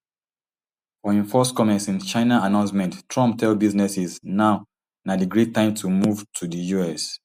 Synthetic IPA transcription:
fɔɛ̃ɱfɔskɔmɛ̃nsĩnt͡ʃãɪnaanãʊ̃nsmɛ̃nttʰɹɔ̃mp̚tʰɛlbiznɛsiznaʊ | nadəɡɹetːãɪ̃mtʰumuvtʰudəjuɛs

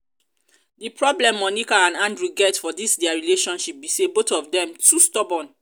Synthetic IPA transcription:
dipɹɔblɛ̃mːɔnikaãnãndɹuɡɛtfɔdisdɛaɹileʃɔ̃nʃip̚bisebotɔfdɛ̃mtʰustɔbɔ̃n

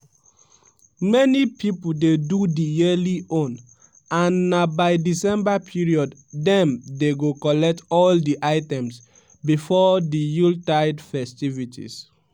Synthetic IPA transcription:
mɛnipʰipoldedudijeliõn | ãnːabaɪdisɛ̃mbapʰiɹiɔddɛ̃mdeɡokɔlɛk̚tɔldiʔaɪtɛ̃ms | bifɔdijultaɪdfɛstivitʰḭs

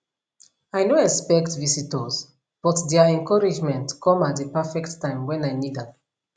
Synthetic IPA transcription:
aɪnoɛkspɛktvisitəs | b̥ɔtdɛaɛ̃ŋkʰɔɹid͡ʒmɛ̃ntkʰɔ̃mat̚depɛfɛktːãɪ̃mwɛ̃naɪnida

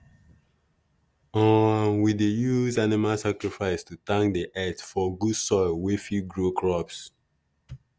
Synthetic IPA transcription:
ɔ̃ãnwidejuzanimalsakɹifaɪstutãŋkdiʔɛtfɔɡudsɔɪlwɛfiɡɹokʰɹɔps

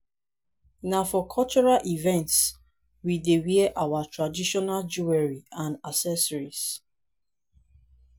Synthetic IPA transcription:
nafɔkʰɔt͡ʃɔɹalʔivɛ̃nts | widewiɛʔawatɹadiʃɔnald͡ʒuɛɹiãnasɛsɔɹis

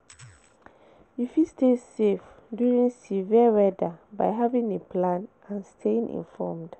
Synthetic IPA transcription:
ifistesef | djuɹĩŋsiviəwɛdabaɪɦavĩŋepʰlãnʔãnstʰeĩŋʔḭ̃nfɔmd̥

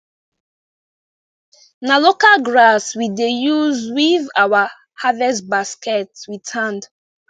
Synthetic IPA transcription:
nalokalɡɹaswidejuzwivawa | havɛsbaskɛtswitʰãnd

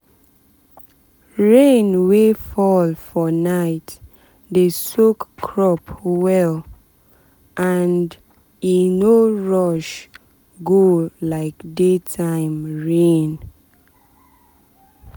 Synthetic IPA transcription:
ɹẽnwefɔlfɔnaɪt | desokʰːɹɔpwɛl | ʔand | inoɹɔʃ | ɡolaɪkdetʰãɪ̃mɹẽn

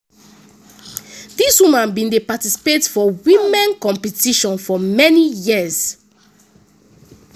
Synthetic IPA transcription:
diswimãnbĩndepatisi̥petfɔwĩmɛ̃nkɔ̃mpɛtiʃɔ̃nfɔmɛnijiəz̥

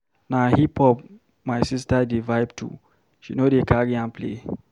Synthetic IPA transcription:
nahipʰɔp | maɪsis̬tadivaɪbtʰṵ | ʃinodekaɹiãnplḛ

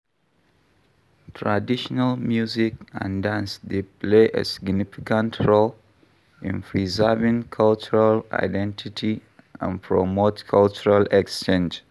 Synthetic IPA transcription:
tʰɹadiʃɔnalmjuzikã̰ndãnsdepleʔḛsi̥ɡnifikãntʰɹol | ḭ̃npʰɹizɜvĩŋkʰalt͡ʃuɹala̰ɪdɛ̃ntʰitʰi | ã̰npʰɹomotkʰalt͡ʃuɹalɛkst͡ʃẽnd͡ʒ

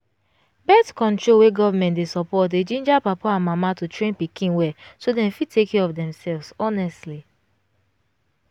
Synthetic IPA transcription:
bɛtkɔ̃ntɹolweɡɔvamɛ̃ntdesɔpɔted͡ʒĩnd͡ʒapapaãnmamatutɹẽnpikʰĩnwɛsodɛ̃mfitʰekɛɔfdɛ̃msɛlvzɔnɛstli

